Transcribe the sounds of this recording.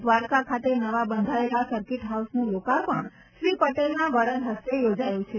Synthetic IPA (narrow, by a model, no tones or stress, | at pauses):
d̪ʋaɾkakʰat̪enəʋabənd̪ʱaelasəɾkɪʈɦausnũlokaɾpəɳ | ʃɾipəʈelnaʋəɽəɾɦəst̪ejod͡ʒajũt͡ʃʰe